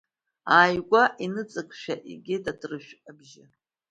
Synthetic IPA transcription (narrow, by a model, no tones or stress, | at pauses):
aːjɡʷaʔinɨt͡sʼɨkʰʼʃᶣaʔḭɡʲɪdadʰrɨʃᶣabʒɪ